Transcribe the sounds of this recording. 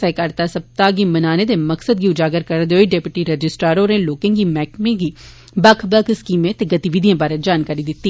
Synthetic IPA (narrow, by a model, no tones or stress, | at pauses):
ɛkɐɾt̪asɐb̚t̪aɡimɐnaːned̪emɐksəd̪̚ɡiʊd͡ʒaːɡəɾkəɾd̪eoːiɖeːpɪʈiɾəd͡ʒɪsʈɾaːɾoːɾẽloːkẽɡimɛːkmẽɡiː | bɐkʰbəkskiːmẽt̪eɡɐt̪iʋid̪ʱijãːbaːɾed͡ʒaːnkaːɾid̪ɪt̪ːi